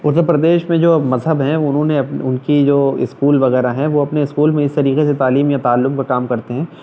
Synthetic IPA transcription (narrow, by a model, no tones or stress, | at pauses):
ʊɾt̪ːəɾpɾɐd̪eːʃmẽd͡ʒoːmɐzɦəbɦɛ̃ʊnɦõːneɐpʊnkid͡ʒoːɪ̰skuːlʋɐɣɛːɾaɦɛ̃ʋoɐpneɪskuːlmẽɪst̪ɐɾiːqeset̪aːliːmjat̪aːlːʊmkakaːmkɐɾt̪eɦɛ̃ː